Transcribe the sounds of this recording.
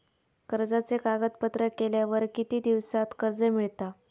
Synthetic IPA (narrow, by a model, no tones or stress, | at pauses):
kəɾd͡zat͡sekaɡət̪̚pət̪ɾəkeljaʋəɾkit̪iːd̪iʋsat̪kəɾd͡zəmiɭt̪a